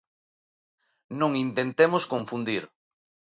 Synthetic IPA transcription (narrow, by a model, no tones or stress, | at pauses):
nõŋint̪ent̪emoskoɱfund̪iɾ